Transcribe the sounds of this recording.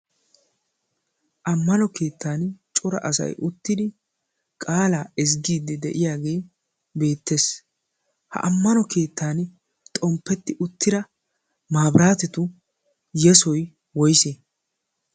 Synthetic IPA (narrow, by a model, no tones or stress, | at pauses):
ʔɐmːɐnɔke̞ːt̪ːaːnt͡ʃʼʊɾɐ̰ʔɐsɐ̰jʔʊt̪ːɪd̪ɪ | kʼaːlaːɪs̬ɡiːd̪ːɛd̪ɛʔɪjaːɡe̞ː | be̞ːt̪ːe̞ːs | hɐ̰ʔɐmːɐnɔke̞ːt̪ːaːn | t̪ʼɔmpːɛt̪ːɪʔʊt̪ːɪɾɐ | maːbɾaːt̪ɛt̪ʊ | jɛsɔj | wɔjse